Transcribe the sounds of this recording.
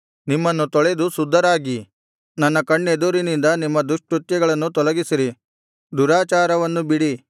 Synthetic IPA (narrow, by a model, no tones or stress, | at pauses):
nimːɐnːut̪ɔɭed̪usud̪ʱːɐɾaːɡi | nɐnːɐkɐɳːed̪uɾinind̪ɐnimːɐd̪uʂʈɾut̪jɛɡɐɭɐnːut̪ɔlɐɡisiɾi | d̪uɾaːt͡ʃaːɾɐʋɐnːubiɽi